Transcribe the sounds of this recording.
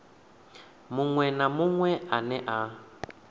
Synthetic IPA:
mʊŋwɛnamʊŋwɛanɛʔa

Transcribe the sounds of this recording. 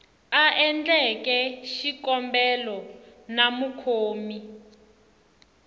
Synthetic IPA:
aʔɛnd͡ɮɛkɛʃikɔmbɛlɔ | namukʰoːmi

